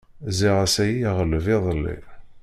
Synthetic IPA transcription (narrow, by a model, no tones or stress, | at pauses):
ziʁasæjiʁəlviðˤəlːḭ